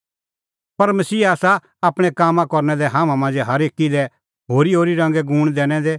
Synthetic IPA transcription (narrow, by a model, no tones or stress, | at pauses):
pɐɾmɐsiːaːsa | aːpɽ̃ɛkaːmãkɔɾnɛd̪ɛɦãːmãmãːnd͡ʒɛɦɐɾeːkːid̪ɛ | ɦoːɾiɦoːɾiɾɐ̃ŋ̆ɡɛɡuːɽ̃d̪ɛːɽ̃ɛd̪e